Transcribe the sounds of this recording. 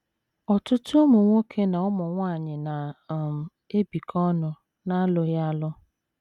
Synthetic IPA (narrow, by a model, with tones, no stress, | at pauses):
ɔ˨tʊ˦tʊ˦o˦mu˨ŋʷo˦kʰe˦na˨ɔ˦mʊ˨ŋʷa˦˨ɲɪ˨na˨m˨ | e˦bi˨kʰɔ˦nʊ˦ | na˦lʊ˦ja˦lʊ˦